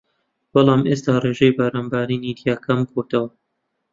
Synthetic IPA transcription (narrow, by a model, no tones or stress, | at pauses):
b̥ɐlˠɑːmʔeːst̪aːreːʒejbaɾaːnbaːɾiːniːd̪ijaːkʰɐmkoɾt̪ɐwɐ